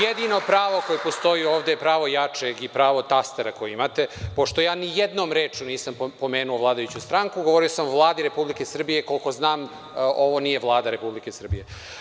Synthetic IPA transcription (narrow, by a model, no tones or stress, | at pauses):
jed̪ino̞pɾaːʋokojepo̞st̪oioːʋd̪ejepɾaːʋo̞jat͡ʂeɡipɾaːʋo̞t̪ast̪eɾako̞jeimat̪e̞po̞ʃt̪o̞jaːnijed̪no̞ːmɾeːt͡ʃuniːsampo̞meːnuoʋlˠaːd̪ajut͡ɕust̪ɾaŋkuɡoʋoɾiosamovlˠaːd̪iɾe̞publikesr̩bije̞ko̞lko̞znaːm | ʔo̞ʋo̞nije̞ʋlˠaːd̪aɾe̞publikesr̩bije̞